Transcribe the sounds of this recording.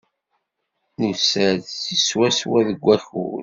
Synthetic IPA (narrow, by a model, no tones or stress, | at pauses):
nisəðsiswæswæðəɡʷːæxṵl